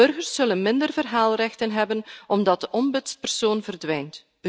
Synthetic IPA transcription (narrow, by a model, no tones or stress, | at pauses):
ɵrɣərsːɵlənmɪndərvərɦaːlˠrɛxtənɦɛbənʔɔmdɑt̚dəʔɔmbɪtspɛrsoːnvərdʋɛjnt | ə